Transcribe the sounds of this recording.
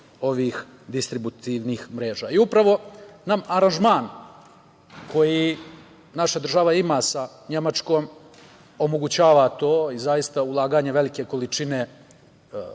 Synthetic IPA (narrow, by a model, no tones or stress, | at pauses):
o̞ʋiːx | d̪ist̪ɾibut̪iʋniːxmɾe̞ːʒa̰ːiupɾaʋo̞namaɾanʒmaːn | kʰo̞ji | naʃad̪r̩ʒaʋaimaːsa | ɲe̞mat͡ʂkoːm | o̞mo̞ɡut͡ɕaːʋat̪o̞ːizajist̪aulˠaːɡaːɲeʋe̞like̞ko̞lit͡ʃine̞